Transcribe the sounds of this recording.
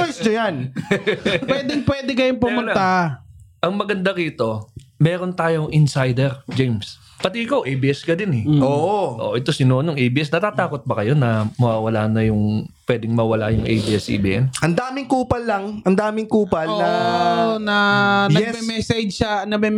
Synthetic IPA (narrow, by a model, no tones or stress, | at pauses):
ojsɲɐjan | pwɛd̪ɛŋpwɛːd̪ɛkɐjonpʊmʊna | ʔɐŋmɐɡɐnd̪akiːt̪o̞ | mɛːɾo̞nt̪aːjoŋʔɪnsajd̪ɛɾd͡ʒejms | pɐt̪ɪʔɪkawʔejbiʔɛskɐd̪ɪnɛʔoʔʔoʔɛt̪o̞sɪnoːnoŋʔejbiːʔɛsnɐt̪at̪aːko̞t̪̚bɐkɐjo̞nɐmɐwaːwɐlaːnɐjʊŋpwɛd̪ɪŋmɐwɐlajʊŋʔḛjbiʔɛsʔɛ̰bḭːʔɛnʔɐnd̪aːmɪŋkuːpɐlːɐŋʔɐnd̪aːmɪŋkuːpɐlɐ | nɐnj̪ɛmɛmɛsɛd͡ʒʃɐnɐmɛm